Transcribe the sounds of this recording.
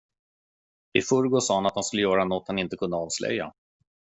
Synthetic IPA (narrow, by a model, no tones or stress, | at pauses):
ɪfɵɾɡosɑːhanat̪hanskɵlːəjœːɾanɔt̪ːhanɪnt̪əkʰɵnd̪əɑːvslɛ̰jːa̰